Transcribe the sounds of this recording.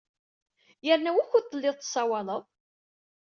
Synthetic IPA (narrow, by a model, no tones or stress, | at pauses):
jəɾnæwæçut̪ˤːəlːɪðˤt̪ːə̥sˤːɑwɑlˤəðˤ